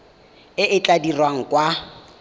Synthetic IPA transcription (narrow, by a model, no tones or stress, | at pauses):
ɪʔɪt͡ɬʼadirwaŋ̩kʼwa